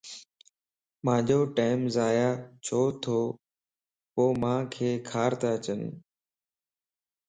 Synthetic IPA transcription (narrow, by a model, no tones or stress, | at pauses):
mãːd͡ʒoːʈaːɪmzaːjaːt͡ʃʰoːt̪ʰoː | poːmãːkʰeːkʰaːɾt̪aət͡ɕən